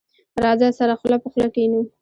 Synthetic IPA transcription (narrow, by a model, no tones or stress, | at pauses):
ɾɑzasaɾaxlapəxlakenu